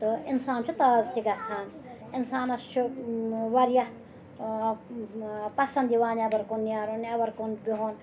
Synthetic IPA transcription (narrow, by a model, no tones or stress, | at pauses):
t̪ɨinsaːnt͡ʃʰut̪aːzt̪iɡast̪ʰaːn | insaːnɐst͡ʃʰuʋɐɾja | pɐsɐ̃nd̪iʋaːnabɐɾkonːjaːɾonjaːbɐɾkonbiɦoːn